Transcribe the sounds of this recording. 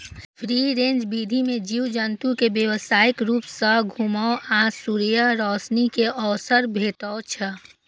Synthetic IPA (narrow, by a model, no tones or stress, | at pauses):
pʰɾiɾẽnd͡ʒbid̪ʱimẽd͡ʒiːwd͡ʒənt̪ukebjəwəsaːɪkɾuːpsəɡʱumaoʔãsuɾijəɾɔːsnikeʔɔːsəɾbʱeːʈ̪at͡ʃʰɛ